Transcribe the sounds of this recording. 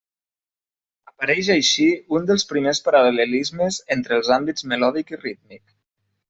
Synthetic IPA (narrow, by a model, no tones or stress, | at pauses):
əpaɾɛʒajʃiund̪əlˠspɾimespaɾalələlizməzent̪ɾeəlˠzambid͡zmelɔðikirit̪mik